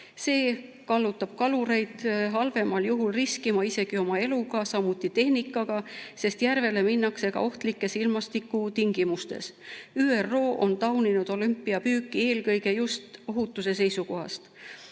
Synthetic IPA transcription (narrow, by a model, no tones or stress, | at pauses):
se̞ː | kɑlːut̪ːˑɑb̥̚kɑluɾe̞jd̪̥ɦɑlve̞mɑljuɦulriskimɑise̞ɡ̥io̞mɑe̞luɡ̥ɑsɑmut̪ːˑit̪e̞hnikːˑɑɡ̥ɑse̞st̪jærve̞le̞minːɑkse̞kɑ̰o̞ht̪likːˑe̞silmɑst̪ikːut̪iŋɡ̥imust̪e̞̰syːerːo̞ːʔo̞̰nt̪ɑwninud̪̥o̞lympːˑiɑpyːkːˑie̞ːlkɤjɡe̞just̪o̞ɦut̪ːˑuse̞se̞jsuko̞ɦɑ̰st̪